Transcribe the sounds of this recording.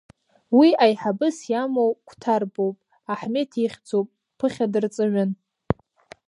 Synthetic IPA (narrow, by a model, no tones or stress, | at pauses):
wiajħabɨsjamowkʷʰtʰarbowpʼ | aħme̞tʰiχʲd͡zowpʼ | pʰːɨχʲadɨrt͡sʼɨʕʷʊn